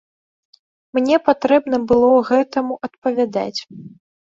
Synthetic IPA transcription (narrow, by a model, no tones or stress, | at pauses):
mnʲɛpat̪ɾɛbn̪ɐbɨlˠɔɣɛt̪ɐmuʔɐt̪̚pɐvʲad̪a̰t͡sʲ